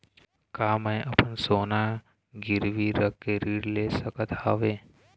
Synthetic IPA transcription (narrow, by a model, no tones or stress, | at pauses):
kaːmə̃ʔɐpənsoːna | ɡɪɾʋiɾəkkːeɾiɾleːsəkət̪ʰaːʋeː